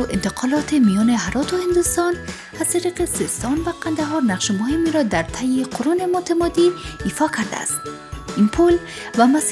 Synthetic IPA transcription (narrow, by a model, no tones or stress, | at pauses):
ʔɪnt̪ɪqʰɒlɒt̪emijɒneɦaɾɒt̪ohɪnd̪ust̪ɒn | hasiɾiqesest̪ɒnvaqʰand̪aɦɒɾnaqʃmʊhimiɾɒd̪aɾt̪ʰajiqʰoɾunemot̪ʰamɒd̪iːfɒkʰaɾd̪a̰st̪ | inpʰul | vamas